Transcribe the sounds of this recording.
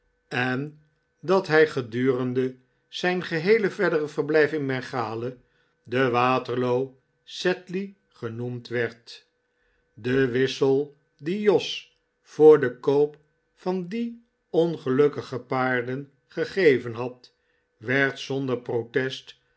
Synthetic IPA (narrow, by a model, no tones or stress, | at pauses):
ɛn | dɑtɦɛjχədyːrəndə | z̥ɛjnχəɦejləvɛdərəvəɹblɛjfɪŋmɛχaːlə | dəʋaːtəɹlow | sɛtli | χənumtʋɛɹt | dəʋɪsəlˠ | dijɔs | fʊːɹdəkowp | fɑndi | ɔnχəlɵkəχəpaːɹdən | χəχejvənɦɑt | ʋɛɹtsɔndəɹprowtɛst